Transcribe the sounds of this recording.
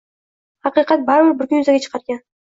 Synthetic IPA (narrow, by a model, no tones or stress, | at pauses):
hɑqijqɑt̪̚bɑɾbɪɾbɪɾkʲʏnjʊzaɡʲet͡ʃʰə̥qɑɾɡʲan